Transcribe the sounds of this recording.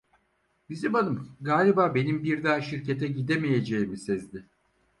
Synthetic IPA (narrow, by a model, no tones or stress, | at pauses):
bizibanɯmɡaːlʲibaːbe̞nimbiɾd̪aːʃiɾce̞t̪ʰɛɟid̪emeje̞d͡ʒejimisɛzd̪ɪ